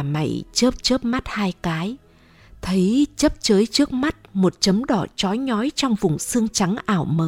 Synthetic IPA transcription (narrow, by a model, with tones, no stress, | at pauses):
ma̰˧˩jt͡ɕə˦˥p̚t͡ɕəː˦˥p̚ma˦˥t̚haː˧jkaː˨˦j | t̪ʰə˨˦jt͡ɕə˦˥p̚t͡ɕəː˨˦jt͡ɕɨ˦˥ək̚ma˦˥t̚mo˨˩t̚t͡ɕə˨˦mɗɔ˧˩t͡ɕɔ˨˦jɲɔ˨˦jt͡ɕɔ˧wŋ͡mvʊ˨˩ŋ͡msɨ˧əŋt͡ɕa˨˦ŋʔaː˧˩wməː˨˦